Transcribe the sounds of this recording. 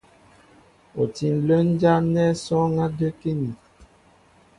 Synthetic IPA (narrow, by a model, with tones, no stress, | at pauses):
o˨ti˨n˨lə˦n˦d͡ʒa˦nɛ˦sɔ˦ŋa˦də˦ke˦ni˨